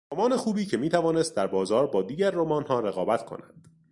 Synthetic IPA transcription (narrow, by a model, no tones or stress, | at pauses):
ɾomɒːne̞xuːbiːcʰe̞miːt̪ʰævɒːne̞st̪̚d̪æɾbɒːzɒːɾbɒːd̪iːɟæɾːomɒːnhɒːɾe̞ɣɒːbæt̪kʰo̞̰næd̪̥